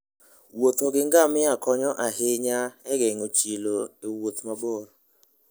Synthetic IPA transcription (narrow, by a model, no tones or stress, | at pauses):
wot̪oɡɪŋɡamɪakɔɲɔʔaɦeɲaɛɡɛŋot͡ʃiloewot̪maboɾ